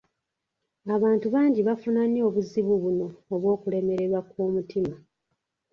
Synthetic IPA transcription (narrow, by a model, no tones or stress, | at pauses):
aβaːntuβaːɲɟiβafunaɲo̞ːβuziβuβuno̞ːβwo̞ːkule̞me̞ɾe̞ɾwakwoːmutima